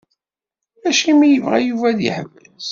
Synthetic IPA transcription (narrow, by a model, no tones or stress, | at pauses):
æʃimijəvʁæ̰juvæðḭħəvːəs